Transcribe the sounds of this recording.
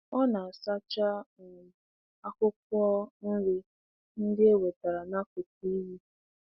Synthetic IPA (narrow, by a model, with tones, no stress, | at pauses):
ɔ˦na˨a˨sa˦t͡ʃa˦˨ | a˦kʊ˦k̚ʷɔ˦n̩˦ɾɪ˦ | n̩˦dɪ˦e˦we˨ta˨ɾa˨na˦kʊ˨t̚i˦ɦi˦